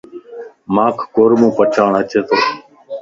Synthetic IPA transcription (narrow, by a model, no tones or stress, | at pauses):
maːkʰːoːɾmõːpət͡ʃʰaːɳət͡ʃeːt̪oː